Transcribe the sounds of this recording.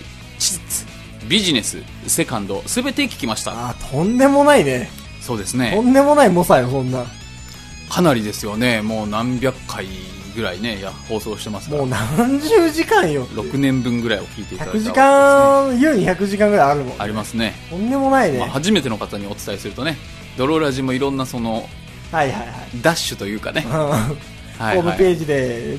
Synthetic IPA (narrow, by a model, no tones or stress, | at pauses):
t͡ɕi̥zit͡sɨ̥ | bʲiʑine̞sɨ̰ | se̞kãnd̪o̞sɨbe̞t̪e̞kʲi̥kʲimaɕi̥t̪a̰aːt̪ʰõ̞nd̪e̞mo̞naine̞ | so̞ːd̪e̞sɨne̞õ̞nd̪e̞mo̞naimosajosõ̞nːa | kʰanaɾʲid̪e̞sɨjo̞ne̞mo̞ːnãmbʲjakʰːai | ɡɯ̟ɾaine̞jaho̞ːso̞ːɕi̥t̪e̞masɨmoːnãɲ̟d͡ʑɨːʑikãɰ̃joɾo̞kɯ̟nẽ̞mbɯ̟̃ŋɡɯ̟ɾaio̞kʲiːt̪eiçat̪akɯ̟ʑiakãjɯːɲ̟ĩçakɯ̟ʑikãŋɡɯ̟ɾajaɾɯ̟mõaɾʲimasɨne̞sõnd̪e̞mo̞nainema̰haʑime̞t̪e̞no̞kat̪aɲ̟io̞t͡sɨ̥t̪aisɨɾɯ̟t̪o̞ne̞ | d̪o̞ɾo̞ɾaʑimːo̞iɾõ̞nːaso̞no̞ | haihaiha̰id̪aɕːɨt̪o̞jɯ̟ːka̰ne̞ɯ̃ː | hahoːmɯ̟pe̞ːd͡ʑid̪e̞